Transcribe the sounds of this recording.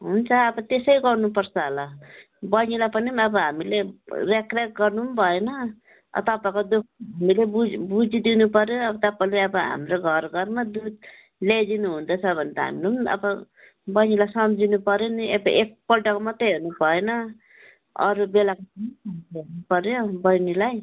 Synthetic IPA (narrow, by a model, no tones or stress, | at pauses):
ɦunt͡sʰʌːbʌt̪esʌjɡʌrnupʌrt͡sʰʌɦʌlʌ | bʌnilapʌnimʌbʌɦamilerekrakɡʌrnumbʱʌenʌ | ʌ̰t̪ʌpaekod̪uk̚ʰɦamilebud͡zbud͡zid̪inupʌɾjoʌbʌt̪ʌpaleʌbʌɦa̰mroɡʱʌrɡʌrmad̪ud̪ | led̪inuɦund̪ʌt͡sʰʌbʱʌnt̪a̰ɦa̰minemʌ̰bʌ | bʌjnilajsʌmd͡zinupʌɾjoniebʌʔek̚pʌlʈʌkmʌt̪eɦeɾnupʌenʌ | ʌ̰ɾubelakoʌiʌmɦeɾnupʌɾjobʌjnilaj